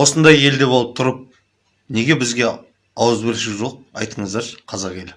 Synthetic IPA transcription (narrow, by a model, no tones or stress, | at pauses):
wo̞sənd̪ɑje̞ld̪e̞boəp̚t̪ʰʊɾəp̚ | ne̞ɡʲe̞bɪzɡʲe̞ | ɑwəzbɪlʃɪʒo̞q̚ɑ̰jt̪əɴəzd̪ɑɾqʰɑzɑqe̞lɪ